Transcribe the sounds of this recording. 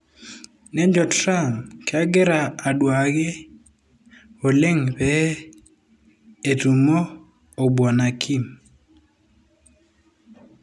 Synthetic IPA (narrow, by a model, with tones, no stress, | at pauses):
nɛ˦ɲd͡ʒɔ˨tɾa˦˨mke˨a˦ɡɪ˦ɾaː˨dwa˨ɡe˦ | o˨le˦ŋpɛ˦ | e˨tu˨moː˦˨ | bwɔ˨na˨kʰi˦m